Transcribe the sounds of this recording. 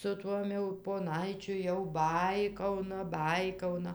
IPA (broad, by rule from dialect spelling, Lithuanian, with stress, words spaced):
sʊ ˈtuɔm jɛʊ poːˈnɐɪt͡ʃʲʊ jɛʊ ˈbɐɪkɐʊnɐ ˈbɐɪkɐʊnɐ